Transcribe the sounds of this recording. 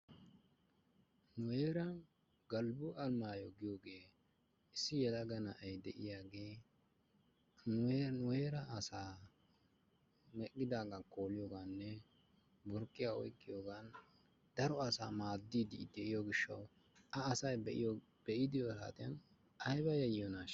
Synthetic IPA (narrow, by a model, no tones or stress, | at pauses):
nʊeːɾɐn | ɡɐlbʊʔɐlmaːjɔɡɪjoːɡe̞ː | ɪsːɪjɛlɐɡɐnɐʔɛjd̪ɛʔɪ̰jaːɡe̞ː | nʊnʊweːɾɐːsaː | mɛkʼːɪd̪aːɡɐkoːlɪjoːɡanːɛ | bɔɾkʼːɪjaːɔ̰jkʼːɪjoːɡan | d̪̥ɐɾɔɐsaːmaːd̪ːiːd̪ɪd̪ɛʔɪjoɡɪʃːɐw | ɐːsɐjbɛʔɪjo | b̥ɛʔɪd̪ɪjɔsa̰ːt̪ʼɪjɐn | ʔɐjbɐjɐjːɔnaːʃ